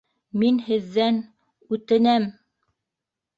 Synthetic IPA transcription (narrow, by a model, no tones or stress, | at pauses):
minhɘ̆ðːæn | ʉt̪ɘ̆næm